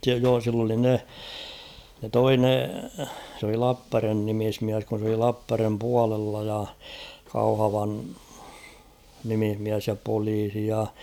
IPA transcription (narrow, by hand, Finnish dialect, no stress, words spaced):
joː silː oli ne ne toi ne s oli lɑpːærʋen nimismiæs kun̞ s oli lɑpːærʋem puɑlelːɑ jɑ kɑuhɑʋɑn nimihmiæs jɑ poliːsi jɑ